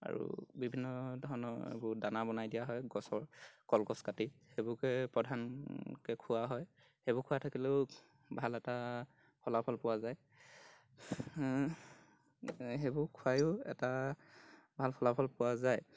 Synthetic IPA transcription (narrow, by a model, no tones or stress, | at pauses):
a̰ɹṵbibʱinːɔdʱɔɹɔnɔḛbʊɹdanabɔnajdijaɦɔjɡɔsɔɹkɔlkɔskatihebʊkɛpɹɔdʱankɛkʰʊwaɦɔj | xebʊkʰʊwatʰakilɛʊ | bʱalɛta | pʰɔlapʰɔlpʊwazaj | ɦebʊɹkʰuajʊɛ̰ta | bʱalpʰɔlapʰɔlpʊwazaj